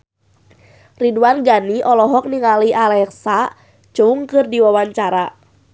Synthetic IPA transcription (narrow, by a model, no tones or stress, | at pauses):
riduanɡaniʔɔlɔɦɔk̚niŋaliʔalɛksa | t͡ʃuŋkɨrdiwawaɲt͡ʃaɾa